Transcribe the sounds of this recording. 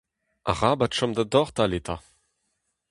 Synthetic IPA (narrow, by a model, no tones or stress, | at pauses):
ʔa̰ʁabatʃɔmd̪ad̪ɔʁt̪alet̪ʰa̰